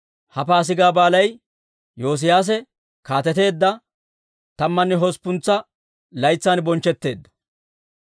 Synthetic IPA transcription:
hɐpaːs̬ɪɡaːbaːlɐj | jo̞ːs̬ɪjaːs̬ɛ | kaːt̪ɛt̪e̞ːd̪ːɐ | t̪ɐmːɐnːɛɦɔspːʊnt͡sːɐ | lɐjt͡sːaːnbɔnt͡ʃːɛt̪ːe̞ːd̪ːɐ̥

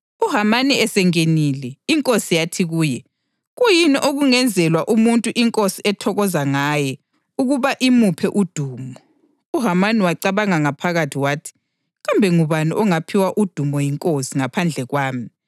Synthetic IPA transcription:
uɦamaniɛsɛŋenilɛiŋkʼosijatʰiɣuːjɛ | ɣujiniʔoɣuŋɛnd͡zʱɛlwaʔumuntʼuʔiŋkʼosiɛtʰɔɣɔzaŋajɛ | uɣuβaʔimupʰɛʔud̥ʱuːmɔ | uɦamaniwaǀaβaŋaŋapʰaɣatʰiwaːtʰi̥ | ɣambʱɛŋuβaniʔɔŋapʰiwaʔud̥ʱumɔjiŋkʼosiŋapʰand͡ɮʱɛɣwaːmi

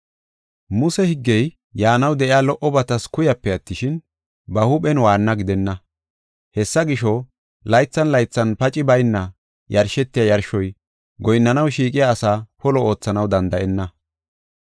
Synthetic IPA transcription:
mʊsɛhɪɡːɛj | jaːnɐwd̪ɛʔɪaːlɔʔɔbɐt̪ɐskʊjɐpːɛɐt̪ːɪʃɪn | bɐhʊɓɛnwaːnːɐɡɪd̪ɛnːɐ | hɛsːɐɡɪʃɔ | lɐjt͡sːɐnlɐjt͡sːɐnpɐt͡ʃʼɪbɐjnːɐ | jɐɾʃɛt̪ːɪjɐjɐɾʃɔj | ɡɔjnːɐnɐwʃiːkʼɪjaːsaːpɔlɔo̞ːt͡sːɐnɐwd̪ɐnd̪ɐʔɛnːɐ

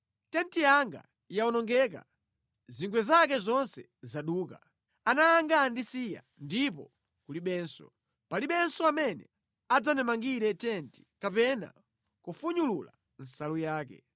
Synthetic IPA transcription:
tɛntijaŋɡa̰ | jaɔnɔŋɡɛka̰ | ziŋɡwɛzak̬ɛzɔnsɛ | zaɗuːka | anaːŋɡandisija̰ | ndipɔ̰ | kuliɓɛːnsɔ̰ | paliɓɛnsɔamɛnɛ̰ | ad͡zanɛmaŋɡiɾɛtɛnti̥kapɛna̰ | kufuɲulula̰ | n̩salujaːk̬ɛ̰

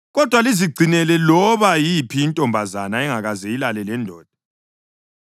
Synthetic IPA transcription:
ɣɔd̥ʱwaliziɡ͡ǀʱinɛlɛlɔβajipʰiːntʼɔmbʱazanaɛŋaɣazɛilalɛlɛndʱɔːd̥̚ʱḁ

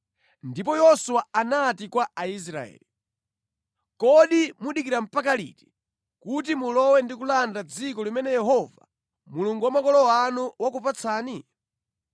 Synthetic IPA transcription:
ndip̬ɔjɔsuwaanatikwaais̬ɾa̰ɛ̰ːli | kɔɗimuɗikiɾam̩pak̬alḭti̥ | kutimulɔwɛndik̬ulandad͡zikɔlimɛnɛjɛɦɔva̰ | muluŋɡuwamakɔlɔwanuwakupat͡sʰaːni

